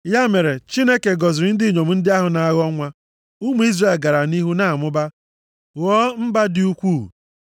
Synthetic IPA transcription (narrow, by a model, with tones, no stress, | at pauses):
ja˦me˨ɾe˨t͡ʃi˦ne˦ke˨ɡɔ˨zɪ˨ɾɪ˦n̩˦dɪ˦ɲo˨m̩˨n̩˦dɪ˦a˦ɦʊ˨na˨a˦ɣɔ˦ŋʷa˦ | u˦mu˦i˦zre˨e˨lɡa˨ɾa˨ni˦ɦu˦na˨mʊ˦ba˦ | ɣɔː˦m̩˦ba˦dɪ˦u˦kʷuː˦˨